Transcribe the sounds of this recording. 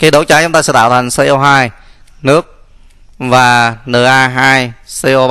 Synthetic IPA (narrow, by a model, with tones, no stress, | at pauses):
ka˧˦jɗo˨˦t͡ɕaː˨˦jt͡ɕʊ˨˦ŋ͡mt̪aː˧sɛ̰˧˥t̪a̰ː˧˨wt̪ʰa˨˩ŋ̟se˧ʔo˧ɦaː˧jnɨ˦˥ək̚ | vaː˨˩nɨ˨˩ʔaː˧ɦaː˧jse˧ʔo˧ɓ